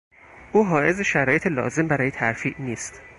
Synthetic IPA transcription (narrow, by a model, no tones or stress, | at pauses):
ʔuːɦɒːʔe̞zeʃæɾɒːje̞t̪ʰelɒ̰ːze̞mbæɾɒːjeæɾfiːʔniːst̪